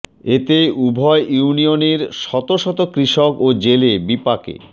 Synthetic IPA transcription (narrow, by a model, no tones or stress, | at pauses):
et̪eubʱɔeʔjunioneɾʃɔt̪oʃɔt̪okɾiʃokod͡ʑelebipakḛ